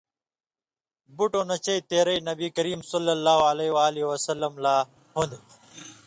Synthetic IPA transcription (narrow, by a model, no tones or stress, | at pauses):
buʈonɐt͡ɕɐjt̪eːɾɐjnɐbiːkɐɾiːmsɐlːɐlːaːɦoɐlewaːliwɐsɐlːɐmlaː | hũnd̪